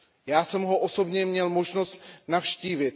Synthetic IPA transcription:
jaːsɛmɦo̞ʔoso̞bɲɛmɲɛlmo̞ʒno̞st̪nafʃciːvɪt̪

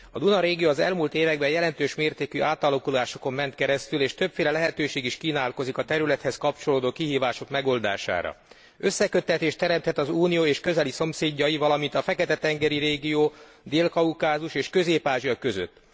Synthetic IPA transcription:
ɒd̪unɒɾeːɡijoːɒzɛlmuːlt̪eːvɛɡbɛjɛlɛnt̪øːʃmeːrt̪eːkyʔaːt̪ɒlːɒkulaːʃo̞ko̞mmɛnt̪kɛɾɛst̪yleːʃt̪ø̞pfeːlɛlɛɦɛt̪øːʃeːɡiʃkiːnaːlko̞zikɒt̪ɛɾylɛt̪hɛskɒpt͡ʃo̞loːd̪oːkiɦiːvaːʃo̞kmɛɡo̞ld̪a̰ːʃa̰ːɾɒ̰ | ø̞sːɛkø̞t̪ːɛt̪eːʃt̪ːɛɾɛmt̪hɛt̪ɒzuːnijoːeːʃkø̞zɛliso̞mseːɟːɒjivɒlɒmint̪ɒfɛkɛt̪ɛt̪ɛŋɡɛɾiɾeːɡijoː | d̪eːlkɒukaːzuʃeːʃkø̞zeːpaːʒijɒkø̞zø̰t̪ː

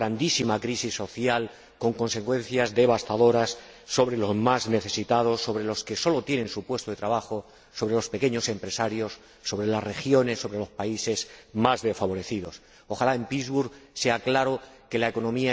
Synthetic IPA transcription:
ɾand̪isimakɾisisːo̞θjal | ko̞ŋko̞nse̞kwẽ̞n̟θjazðe̞β̞ast̪aðo̞ɾasː | o̞βɾe̞lo̞zmazne̞θe̞sit̪að̞o̞sːo̞β̞ɾe̞lo̞ske̞so̞lo̞t̪jenẽ̞nsupwe̞st̪oðe̞t̪ɾaβaxo̞ | so̞βɾe̞lo̞spe̞ke̞ɲo̞se̞mpɾe̞saɾjo̞sː | o̞βɾe̞lasre̞xjo̞ne̞sːo̞βɾe̞lo̞spaise̞zmazðe̞sfaβo̞ɾe̞θiðo̞s | oxalae̞mpizβuɾɣse̞aklaɾoke̞laeko̞nõmia

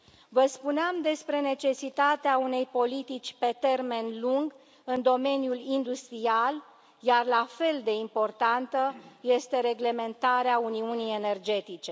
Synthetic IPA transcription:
vəspuneamd̪e̞spɾe̞ne̞t͡ʃe̞sit̪at̪eaune̞jpo̞lit̪it͡ʃʲpe̞t̪e̞rme̞nluŋɡ | ɨnd̪o̞me̞njulind̪ust̪ɾial | jarlafe̞ld̪e̞impo̞rt̪ant̪əje̞st̪e̞ɾe̞ɡle̞me̞nt̪aɾeauniunije̞ne̞rd͡ʒe̞t̪it͡ʃe̞

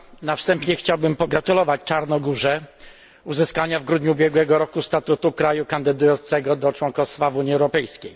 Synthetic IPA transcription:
nafst̪ɛmpɲɛxt͡ɕawbɘmpɔɡɾat̪ulɔvat͡ɕt͡ʂaɾnɔɡuʐɛ | uzɘskaɲavɡɾud̪ɲubʲjɛɡwɛɡɔɾɔkust̪at̪ut̪ukɾajukand̪ɘd̪ujɔnt̪sɛɡɔd̪ɔt͡ʂwɔnkɔfst̪favuɲiɛwɾɔpɛjskʲej

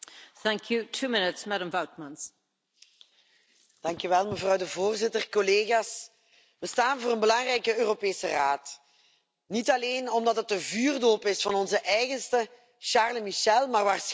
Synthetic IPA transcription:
θæ̃ŋkʰjutʰuːmɪnɪtsmaɾə̃mvawt̚mãnz̥ | d̥ɑŋkyʋɛlˠməvrɑwdəvoːrzɪtərkɔleːɣaːs | ʋəstaːnvoːɾənbəlɑŋrɛjkəøːropeːsəraːt | nitɑleːnɔmdɑtɦət̚əvyːrdoːpɪsfɑnɔnzəʔɛjɣənstə | ʃaːrləmiʃɛlˠmaːrʋaːrs

